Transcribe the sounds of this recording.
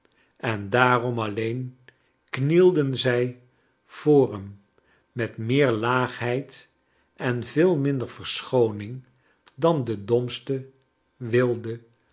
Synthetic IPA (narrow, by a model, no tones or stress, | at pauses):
ɛndaːrɔmɑlejn | knilˠdənzɛj | v̥ʊːrəmː | ɛtmɪːɹlaːχɦɛjt | ɛnvɪːlˠmɪndəɹv̥əɹsχownɪŋ | dɑndədɔmstə | ʋɪlˠdə